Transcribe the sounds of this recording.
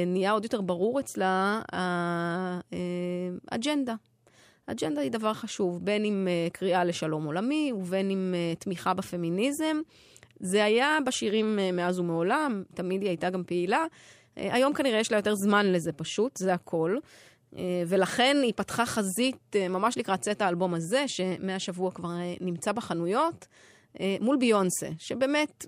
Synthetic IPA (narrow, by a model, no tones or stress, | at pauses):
nijao̞djo̞t̪e̞ʁbaʁuʁet͡slaa | ea̰d͡ʒend̪a | ad͡ʒend̪aidavaʁχaʃuvbe̞nimekʁiale̞ʃalo̞mo̞lamiuve̞nimetmiχabafe̞minizem | zeajabeʃiʁimːeazumeo̞lamtamidiajtaɡampeila̰ | ajo̞mkaniʁejeʃlajo̞te̞ʁzmanle̞zepaʃutzeakʰo̞l | eve̞laχe̞nipatχaχazitemamaʃlikʁatt͡setaːlbo̞maze̞ʃe̞meaʃavuakvaʁnimt͡sabeχanujo̞t | mulbio̞nsḛʃebe̞ːme̞t